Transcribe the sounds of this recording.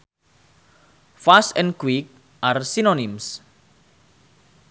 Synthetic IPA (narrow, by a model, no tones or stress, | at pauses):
fastɛ̃nkwik̚ | ʔarsinonims